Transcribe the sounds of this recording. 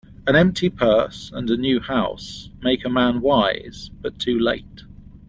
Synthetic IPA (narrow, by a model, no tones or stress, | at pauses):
ə̃ɾ̃ɛ̃mp̚tʰipʰɜˑsə̰̃nənjʉːhaʊsmeɪkəmæ̃nwaɪz̥b̥ʌtʰʉːleɪt